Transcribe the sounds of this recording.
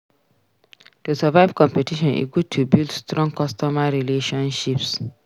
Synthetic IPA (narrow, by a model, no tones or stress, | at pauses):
tusavaɪvkɔ̃mpetiʃɔ̃nʔḭɡud̚tʰubildstɾɔ̃ŋkʰɔstɔmaɹileʃɔ̃nʃips